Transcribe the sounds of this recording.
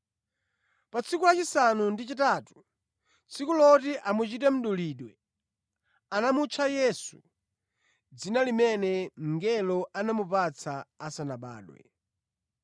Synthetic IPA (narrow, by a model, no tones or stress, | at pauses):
pat͡sʰikulat͡ʃisanundit͡ʃitaːtu̥ | t͡sʰikulɔtiʔamut͡ʃitɛm̩ɗuliːɗwɛ | anamut͡ʃʰajɛsu | d͡zinalimɛnɛŋ̩ɡɛlɔʔanamupat͡sʰaːsanaɓa̰ːɗwɛ̰